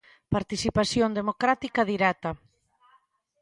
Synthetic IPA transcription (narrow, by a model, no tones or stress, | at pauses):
paɾt̪isipasjond̪emokɾat̪ikaðiɾɛt̪ɐ